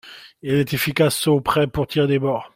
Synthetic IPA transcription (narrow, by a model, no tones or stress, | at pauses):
ɛlɛt̪efikasopχɛpuʁt̪ʰiʁd̪ebɔʁ